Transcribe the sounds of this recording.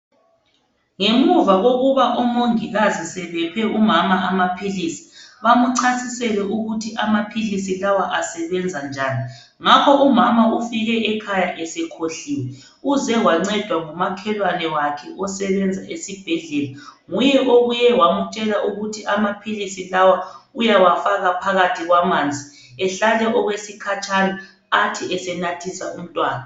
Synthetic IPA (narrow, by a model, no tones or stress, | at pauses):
ŋemuvaɣoɣuβaʔɔmoŋiɣazisɛβɛpʰɛumamaʔamapʰilisi̥βamuǀʰasisɛlɛʔuɣutʰiʔamapʰilisilawaʔasɛβɛnd͡zʱand͡ʒʱaːni | ŋakʰɔʔumamaufiɣɛɛkʰajaʔɛsɛkʰoɬiwɛ | uzɛwaŋ͡ǀɛd̥ʱwaŋumakʰɛlwanɛwakʰɛʔɔsɛβɛnd͡zʱaʔesib̥ʱeɮɛlaŋujɛʔoɣujɛwamut͡ʃʼɛlaʔuɣutʰiʔamapʰilisilawaujawafaɣapʰaɣatʰiɣwamaːnd͡zʱi | ɛɬalɛʔɔɣwesikʰat͡ʃʼanaː | tʰiɛsɛnatʰisaum̩tʼwaːna